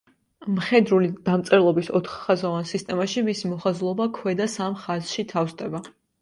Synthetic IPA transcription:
mχɛd̪ɾulid̪̥amt̪sʼɛɾlˠɔbisɔt̪ʰχːazavansist̪ʼɛmaʃimisimɔχazlˠɔbakʰwɛd̪asamχazʃit̪ʰafst̪ʼɛba

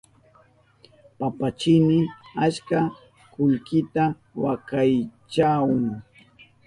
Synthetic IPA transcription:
papat͡ʃɪmɪat͡ʃka | kʊʎkɪt̪a | wakajt͡ʃawʊŋ

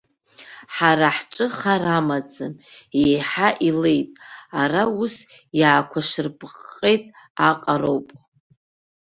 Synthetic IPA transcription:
ħaɾaħʈ͡ʂʼɨχaɾamad͡zɨmejħaʔile̞jtʼaraus | jaːkʷʰaʂɨrpʰʼqːʼejtʼ | aqʼaɾo̞wpʼ

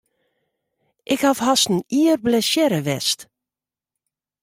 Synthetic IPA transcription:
ʔɪkhafhasn̩iərblɛsjɛɾəʋɛst

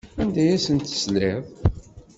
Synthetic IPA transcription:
ænd̪æjæsənt̪ə̥sleð

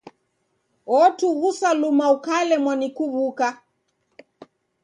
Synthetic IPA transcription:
ɔtuɣusalumaukalɛmwanikuβuka

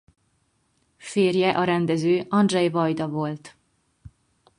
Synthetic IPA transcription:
feːrjɛʔɒɾɛnd̪ɛzøːʔɒnd̪ʒɛjvɒjd̪ɒvo̞lt̪

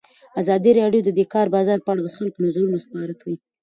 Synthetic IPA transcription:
azɑd̪iɾɑɖjod̪əd̪ekɑɾbɑzɑɾpəaɽad̪əxalkonazaɾunospɑɾakawi

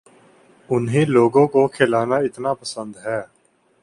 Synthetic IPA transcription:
ʊnɦẽːloːɡõːkoːkʰeːlaːnaːɪt̪naːpəsə̃nd̪ɦɛː

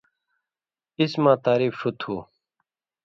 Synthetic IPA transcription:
ismãːt̪aːɾiːfut̪ʰuː

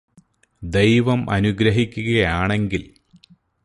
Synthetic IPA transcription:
d̪e̞jʋɐmʔɐ̰nuɡɾɐɦikʲːuɣɐjaːɳe̞ŋɡil

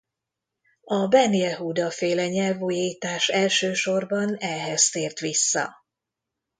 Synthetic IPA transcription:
ɒbɛnijɛɦuːd̪ɒfeːlɛɲɛlvuːjejt̪aːʃɛlʃøːʃo̞rbɒnɛɦɛst̪eːrt̪ʋisːɒ̰

